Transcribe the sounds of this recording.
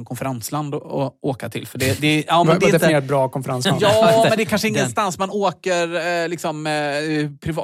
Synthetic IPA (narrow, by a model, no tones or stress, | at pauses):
nkʰɔnfɛɾansland̪ɔɔoːkat̪ʰɪ̰lfœɖɛd̪ɛɑːndɛɪd̪ɛft̪neːɾat̪̚bɾɑːkʰɔnfəɾansa̰njɑːɛnd̪ɛkʰanʂəɪŋːənst̪ansmanoːkəɾlɪksɔm | pʰɾɪv